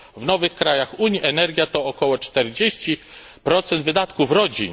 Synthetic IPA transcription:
vnɔvɘxkɾajaxuɲiʔɛnɛɾɡʲjat̪ɔːkɔwɔt͡ʂt̪ɛɾd͡ʑeɕt͡ɕi | pɾɔt̪sɛnd̪vɘd̪at̪kufɾɔd͡ʑḭ

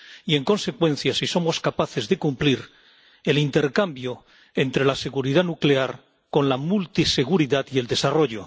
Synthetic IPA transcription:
ie̞ŋko̞nse̞kwẽ̞n̟θjasiso̞mo̞skapaθe̞zðe̞kumpliɾ | e̞lint̪e̞ɾkambjo̞ | ent̪ɾe̞lase̞ɣuɾið̞anukle̞aɾ | ko̞nlamult̪ise̞ɣuɾiðat̪ie̞ld̪e̞saro̞ʝo̞

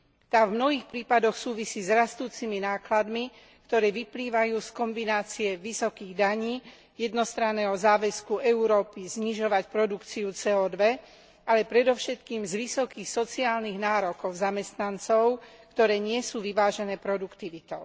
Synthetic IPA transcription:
t̪aːvmnɔɦiːxpɾiːpad̪ɔxsuːʋisiːzɾast̪uːt͡siminaːklad̪mi | kt̪ɔɾɛːʋipliːʋajuːskɔmbinaːt͡siɛʋisɔkiːɣd̪aɲiː | jɛd̪nɔst̪ɾanːɛːɦɔzaːʋɛskuʔɛuɾɔːpizɲiʒɔʋacpɾɔd̪ukt͡siut͡sɛɔːd̪ʋɛ | alɛpɾɛd̪ɔʊʃɛt̪kiːmzʋisɔkiːxsɔt͡siaːlniɣnaːɾɔkɔʊzamɛst̪nant͡sɔʊkt̪ɔɾɛːɲɪɛsuːʋiʋaːʒɛnɛːpɾɔd̪ukt̪iʋit̪ɔʊ

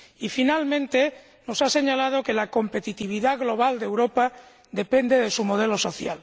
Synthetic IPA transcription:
ifinalmẽnt̪e | no̞sase̞ɲalað̞o̞kelako̞mpe̞t̪it̪iβ̞iðaɣlo̞β̞ald̪ewɾopa | d̪e̞pend̪e̞ð̞esumo̞ð̞elo̞so̞θja̰l

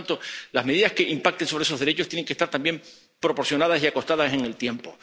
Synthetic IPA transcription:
nt̪olazme̞ðiðaske̞ʔimpak̚t̪e̞ŋsoɾeeso̞ɦðe̞ɾe̞t͡ʃost̪jene̞ŋke̞st̪aɾt̪ambje̞m | pɾo̞po̞ɾsjo̞nað̞asiako̞st̪aðase̞ŋe̞lt̪je̞mpo

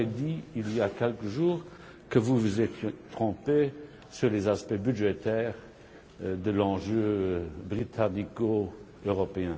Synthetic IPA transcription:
ɛd̪iilijakʲɛlkəʒuːʁ | kəvuvuzɛt̪jet̪χɔ̃pe | syʁlezaspɛbyʒɛt̪ɛːʁ | d̪əlɑ̃ʒøbʁit̪ʰaniko | øʁɔpeɛ̃

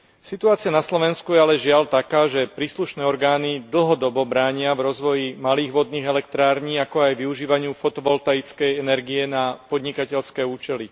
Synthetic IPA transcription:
sit̪uaːt͡sɪanaslɔʋɛnskujɛalɛʒɪalt̪akaːʒɛpɾiːsluʃnɛːɔɾɡaːnid̪l̩ˠɦɔd̪ɔbɔbɾaːɲɪavɾɔzʋɔjimaliːɣʋɔd̪̚niːɣɛlɛk̚t̪ɾaːɾɲiːakɔajʋiuʒiːʋaɲɪufɔt̪ɔʋɔlt̪ait͡skɛjɛnɛɾɡiɛnapɔd̪ɲikacɛʎskɛːuːt͡ʃɛli

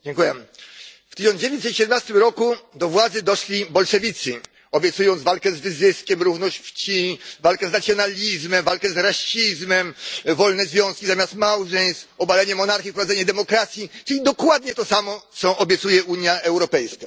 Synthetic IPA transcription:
d͡ʑɛŋkujɛ | ft̪ɘɕɔnd͡ʑevʲjɛɲt̪ɛt̪ɕɛd̪ɛmnast̪ɘmɾɔkud̪ɔvwad̪zɘd̪ɔʂlʲibɔlʂɛvʲit̪sɨ | ɔbʲjɛt̪sujɔ̃nd̪valkɛzvɘzɘskʲɛmɾuvnɔɕt͡ɕft͡ɕivalkɛznat̪sʲjɔnalʲizmɛmvalkɛzɾaɕizmɛmvɔlnɛzvʲjɔ̃skʲizamʲast̪mawʐɛjst̪ɔbalɛɲɛmɔnaɾxʲifpɾɔvad̪ɛɲɛd̪ɛmɔkɾat̪sʲjit͡ʂɘlʲid̪ɔkwad̪ɲɛt̪ɔsamɔt̪sɔʔɔbʲjɛt̪sujɛʔuɲjaɛwɾɔpɛjska

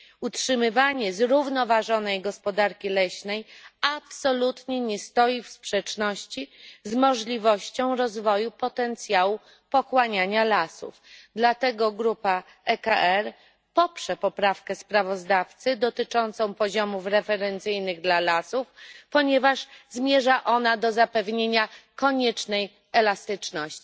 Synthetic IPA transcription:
utʂɘmɘvaɲɛzɾuvnɔvaʐɔnɛjɡɔspɔd̪aɾkʲilɛɕnɛjapsɔlut̪ɲɛɲɛst̪ɔjifspʂɛt͡ʂnɔɕt͡ɕizmɔʐlʲivɔɕt͡ɕɔ̃w̃ɾɔzvɔjupɔt̪ɛnt̪sʲjawu | pɔkwaɲaɲalasṵfd̪lat̪ɛɡɔɡɾupa | ɛkaʔɛɾ | pɔpʂɛpɔpɾafkɛspɾavɔzd̪aft̪sɘd̪ɔt̪ɘt͡ʂɔnt̪sɔ̃w̃pɔʑɔmufɾɛfɛɾɛnt̪sɘjnɘɣd̪lalasufpɔɲɛvaʐzmʲjɛʐaʔɔnad̪ɔzapɛvɲeɲakɔɲɛt͡ʂnɛj | ɛlast̪ɘt͡ʂnɔɕt͡ɕi

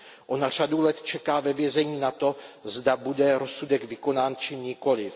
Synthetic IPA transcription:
ʔo̞nar̝̥adulɛt̪t͡ʃɛkaːvɛvjɛzɛɲiːnat̪o̞zdabudɛɾo̞sudɛɡvɪko̞naːnt͡ʃɪɲɪko̞lɪf

